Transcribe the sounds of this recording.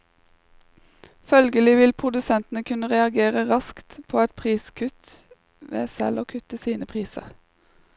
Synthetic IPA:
fœlɡəlɪʋɪlpʰʁʊd̪ʉsɛnt̪n̩əkʰʉnəʁɛɑɡeːʁəʁɑskt̪pʰoːɛt̪̚pʰʁiːskʰʉt̪ | ʋḛːsɛ̰loːkʰʉt̪əsiːnəpʰʁiːsə̰ʁ

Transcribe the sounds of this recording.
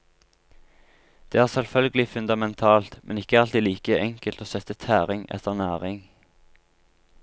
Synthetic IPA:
d̪̥eːæːʁsɛlfœlɡəlɪfʉnd̪ɑmɛnt̪ʰɑːlt̪mʔɛ̰nɪkəɑlt̪iːliːkəɛŋkəlt̪oːsɛt̪ət̪ʰæːʁɪŋɛ̰t̪ʰəʁnæːʁɪŋ

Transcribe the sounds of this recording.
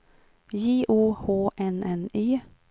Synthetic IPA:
jiːʔuːhoːʔɛnɛniː

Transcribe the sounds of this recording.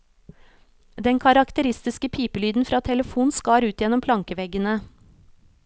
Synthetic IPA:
d̪ɛŋkʰɑɾɑkt̪əɾɪst̪ɪskəpʰiːpəlyːd̪n̩fɾɑːt̪ʰɛləfuːnskɑːɾʉːt̪jɛnɔmpʰlɑŋkəʋɛɡənə

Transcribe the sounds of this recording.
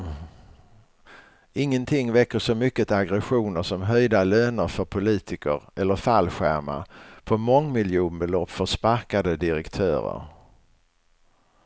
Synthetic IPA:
ɪŋːənt̪ʰɪŋːvɛkːəʂɔmʏkːət̪aɡɾɛɧuːnəɾʂɔmɦœjd̪aløːnəɾfœɾpʰʊliːt̪ʰɪkəɾɛlːəɾfalɧæ̰ɾma̰pʰɔmɔŋːmɪljuːnbɛlɔpːfœʂpaɾkad̪əd̪ɪɾɛkt̪ʰøːɾə̰ɾ

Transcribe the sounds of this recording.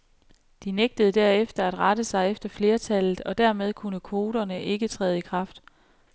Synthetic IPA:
d̥ineɡ̥̚d̥əð̩ˠd̥æɐefd̥ɐæd̥ʁɑ̈d̥əsɑ̈ɪefd̥ɐfle̝ːɐt͡sʰæl̰ð̩ˠɒ̽d̥æɐmeð̞ˠkʰunəkʰʋo̝ːɾɐnəʔe̝ɡ̥ət͡sʰʁɛ̰ːð̞̩ˠikʰʁɑ̈fd̥

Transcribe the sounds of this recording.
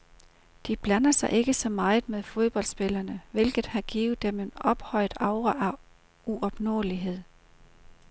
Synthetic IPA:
d̥ib̥lænɐsɑ̈ɪʔe̝ɡ̥əsɒ̽mɑ̈ːɪð̩ˠmeðˠfo̝ð̞ˠb̥ɒ̽l̰d̥sb̥e̝lɐnəʋe̝lɡ̥ð̩ˠhɑ̈ɡ̥ḭːʊð̩ˠd̥eme̝nɒ̽b̥hɒ̽ɪ̰d̥ɑ̈ʊʁɐʔæ | uɒb̥nɔ̰ːliɦe̝ð̞̰ˠ

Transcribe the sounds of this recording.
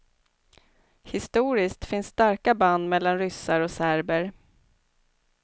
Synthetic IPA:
hɪst̪uːɾɪskt̪fɪnsːt̪aɾkaband̪mɛlːanɾʏsːaɾɔsæɾbəɾ

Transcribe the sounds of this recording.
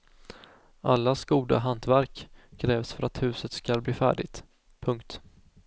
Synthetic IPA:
ʔalːasɡuːd̪a̰ɦant̪væɾkʰːɾɛːvsfœɾat̪hʉ̟ːsət̪skalbliːfæ̰ːɖɪ̰ɡt̪ | pʰɵŋkt̪

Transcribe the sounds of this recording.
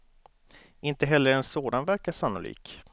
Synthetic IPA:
ɪnt̪əɦɛlːəɾɛnsoːd̪anvæɾkasanːʊ̰lḭːk

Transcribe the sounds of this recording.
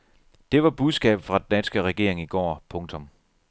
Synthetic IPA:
d̥e̝ʋɑ̈b̥uðˠsɡ̥ɛ̰ːb̥fʁɑ̈ded̥ænsɡ̥əʁɛɡ̥e̝̰ɐ̰eŋiɡ̥ɒ̰ːpʰɔ̽ŋt͡sʰɔ̽m

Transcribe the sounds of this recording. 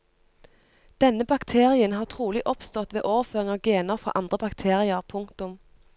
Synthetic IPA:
d̪̥ɛnəbɑkt̪ʰeːʁɪənhɑːʁt̪ʰʁuːlɪʔɔpst̪ɔt̪ʋḛːʔoːʋəføːʁɪŋɑːɡeːnəʁfʁɑ̰ʔɑnd̪ʁəbɑkt̪ʰeːʁɪəʁpʰʊŋkt̪ʊm

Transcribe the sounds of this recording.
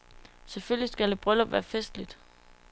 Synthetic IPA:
sefølisɡ̥ælde̝b̥ʁœlɒʋæːɐfesd̥lid̥

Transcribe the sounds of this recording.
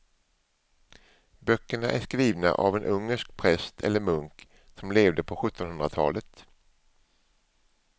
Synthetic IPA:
bœkːəɳaʔæʂkɾiːvna̰ʔa̰vɛnʔɵŋːəʂkpʰɾɛst̪ʰɛ̰lːəɾmɵŋk | sɔmleːvd̪əpʰɔɧɵt̪ʰːɔnɦɵnɾat̪ʰɑ̰ːlət̪

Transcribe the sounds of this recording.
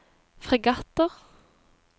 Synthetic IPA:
fʁɛɡɑt̪əʁ

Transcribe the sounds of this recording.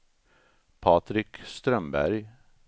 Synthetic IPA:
pʰɑt̪ɾɪkst̪ɾœmbæ̰ɾj

